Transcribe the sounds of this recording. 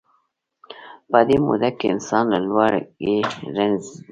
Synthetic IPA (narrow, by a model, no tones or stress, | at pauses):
pad̪emṵd̪akeɪ̰nsɑnlalwaɾɡeɾanz